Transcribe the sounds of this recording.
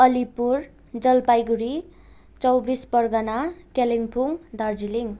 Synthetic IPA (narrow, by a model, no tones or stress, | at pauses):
ʌlipuɾ | d͡zʌlpajɡuɾi | t͡sʌwbispʌrɡʌnakeliŋpʰuŋd̪ʱʌrd͡ziliŋ